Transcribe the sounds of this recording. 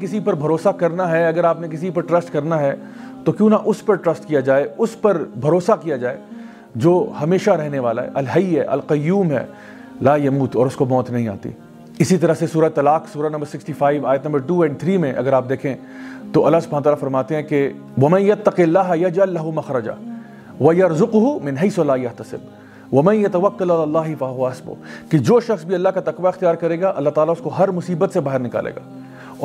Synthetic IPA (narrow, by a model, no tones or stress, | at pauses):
kɪsipɐɾbʱɐɾoːsakɐɾnaɦɛɐɡəɾaːpnek̬ɪsipɐɾʈɾɐsʈkɐɾnaɦɛ | t̪okjũːnaʔʊspɐɾʈɾɐsʈkijad͡ʒaːeʊspɐɾbʱɐɾoːsakijad͡ʒaːḛ | d͡ʒoːhɐmeːʃaɾɛɦneʋaːla̰ɦɛ̰ʔɐlɦɐiɦɛ̰ʔɐ̰lqɐjːuːmɦɛ̰ː | laːjɐmuːt̪ɔːɾʊskomɔːt̪nɐɦĩa̰ːt̪ḭ | ɪsit̪ɐɾəɦsesuːɾat̪ːɐlaːqsuːɾanɐ̃mbəɾsɪksʈifaːiʋaːjət̪nɐmbəɾʈuːɛ̃ːɳɖ̚t̪ʰɾiːmẽʔɐ̰ɡəɾaːp̚d̪eːkʰẽ | t̪oʔɐlːasbaːnt̪aːlafɐɾmaːt̪eɦɛ̃ke | ʋɐmɐ̃njɐt̪ːɐqɪlːaːɦɐjɐd͡ʒɐlːɐɦumɐxɾɐd͡ʒa̰ | ʋɐjɐɾzʊqʊɦumɪ̃nɦeɪslaːjɐɦt̪ɐsɪ̰b | ʋɐmɐ̃njɐt̪ɐʋɐqːɐlɐlaːlːaːɦɪfɐɦʊʋaɐsbʊ̰ked͡ʒoːʃɐxsbʱiɐlːaɦkat̪ɐqʋaɪxt̪ijaːɾkɐɾeːɡaʔɐlːaɦt̪aːlaʊskoɦɐɾmʊsiːbət̪sebaːɦəɾnɪka̰ːlḛːɡaː | ɔ